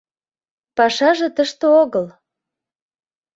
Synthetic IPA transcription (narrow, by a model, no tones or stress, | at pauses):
pɑʃɑʒĕt̪əʃt̪eoɣəl